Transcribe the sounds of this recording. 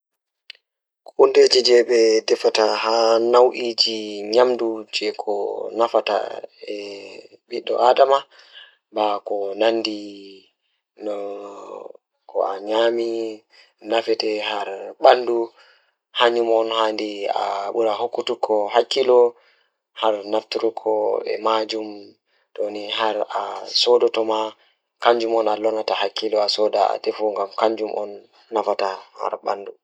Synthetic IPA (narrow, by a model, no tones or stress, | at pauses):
kʔunded͡ʒid͡ʒɛɓɛdɛfatahanawʔiːd͡ʒiɲamdud͡ʒɛkʰɔ̰nafata̰ɛ | ɓiɗːɔ̰ʔadama | bakɔnandi | nɔ | kʰɔ̰aɲami | nafɛtɛhaɾɓandu | haɲd͡ʒumɔnhandia̰ɓuɾahokːutukʰːɔɦakːilɔ | haɾnaftuɾukʰɔɛ̰mad͡ʒum | doniɦaɾasɔdɔtɔma | kaɲd͡ʒumɔnalɔnatahakːilɔasɔdaa̰dɛfuŋɡamkaɲd͡ʒumʔɔ̰nː | afataha̰ɾɓa̰ndu